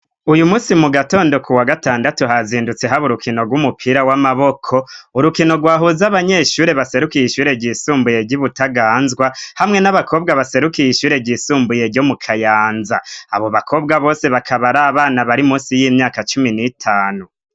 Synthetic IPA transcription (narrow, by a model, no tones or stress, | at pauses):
ujumuːsimuɡato̞ːndo̞kʰuwaɡataːndatuɦaziːndut͡se̞ɦaβuɾukʰino̞ɡwumupʰiːɾawamaβo̞kʰo̞uɾukino̞ɡwaːɦuzaβaɲe̞ʃuːɾe̞βase̞ɾukijiʃuːɾe̞ɟiːsuːmbuje̞ɟiβutaɡaːnzɡwahamŋe̞naβakʰo̞ːbɡaβase̞ɾukijiʃuːɾe̞ɟisuːmbuje̞ɾɟo̞mukʰajaːnzaa̰βo̞βakʰo̞ːb̚ɡaβo̞ːse̞βakʰaβaɾaːβaːnaβaɾimũːsijimɲaːkat͡ʃuminitʰaːnu